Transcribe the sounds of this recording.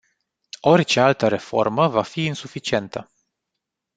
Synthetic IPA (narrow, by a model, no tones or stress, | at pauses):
o̞rʲt͡ʃe̞alt̪əɾe̞fo̞̰rməvafiːnsufit͡ʃie̞nt̪ə